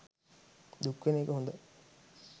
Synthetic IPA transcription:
d̪ukːʋeneːkəɦund̪ɐ

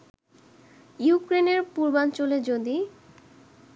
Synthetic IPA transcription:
jukɾeneɾpuɾbant͡ɕoled͡ʑod̪i

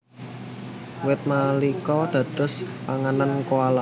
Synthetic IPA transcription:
wɪt̪̚malikɔd̪̥ä̤d̪̥ʊ̤spaŋanankoala

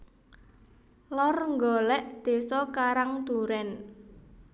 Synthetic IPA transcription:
lɔrŋɡɔlɛʔd̪̥e̤sɔkaɾaŋt̪uɾɛn

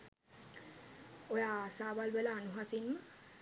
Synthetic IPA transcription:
ojasabalbelaːnuɦasinm

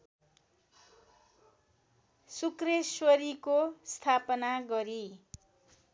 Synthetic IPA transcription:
sukreswʌɾikost̪ʰapʌnaɡʌɾi

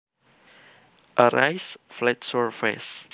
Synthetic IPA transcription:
ʔəɾajsflɛtsɔɹfɛ̰s

